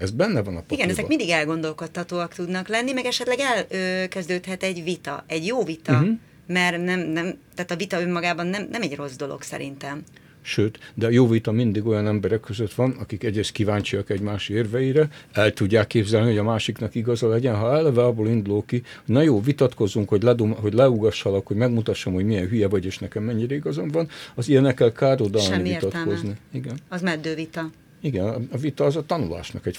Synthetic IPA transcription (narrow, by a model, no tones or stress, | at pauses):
ɛzbɛnːɛvɒnɒpoiɡɛnɛzɛkmind̪iɡɛlɡo̞nd̪o̞lko̞t̪ːɒt̪oːɒkt̪ud̪nɒklɛnːimɛɡɛʃɛt̪lɛɡɛløkɛzd̪øːt̪hɛt̪ɛɟvit̪ɒ̰ɛɟjoːvit̪ɒ | mɛrnɛmnɛmt̪aːt̪ɒvit̪ɒømːɒɡaːbɒnːɛmnɛmɛɟro̞zd̪o̞lo̰ksɛ̰ɾḭnt̪ɛm | ʃøːt̪d̪ɛjoːvit̪ɒmind̪iɡojɒnɛmbɛɾɛkːøzøt̪ʋɒnɒkikɛɟreːst̪̚kivaːɲt͡ʃiɒkɛɟmaːʃeːrvɛjiɾɛɛlt̪uɟːaːkːeːbzɛlniɦo̞ɟɒmaːʃiknɒkiɡɒzɒlɛɟɛnɦɒɛlɛvɛɒbːoːlind̪ulokihoɟnɒjoːvit̪ɒt̪ko̞zːuŋkho̞ɟlɛd̪omɦo̞ɟlɛuɡɒʃːɒlɒkho̞ɟmɛɡmut̪ɒʃːomho̞ɟmijɛnɦyjɛvɒɟeːʃnɛkɛmːɛɲːiɾɛiɡɒzɒmvɒnɒzijɛnɛkːɛlkaːɾod̪ɒlniit̪ɒt̪ko̞zniiɡɛnɒzmɛd̪ːøːvit̪ɒ | iɡɛnɒvit̪ɒːzɒt̪ɒnula̰ːʃnɒkɛc